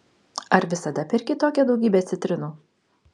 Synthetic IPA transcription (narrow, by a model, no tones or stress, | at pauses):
ɐɾʋʲɪsɐd̪ɐpʲɛɾʲkʲɪt̪oːkʲɛd̪ɒʊɡʲiːbʲɛːt̪ʲɪt̪ʲɾʲɪnuː